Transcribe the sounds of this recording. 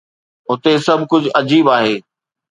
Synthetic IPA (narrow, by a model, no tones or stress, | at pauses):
ʊt̪esɐbʱkʊd͡ʑʱʊʔɐd͡ʑiːbaːɦeː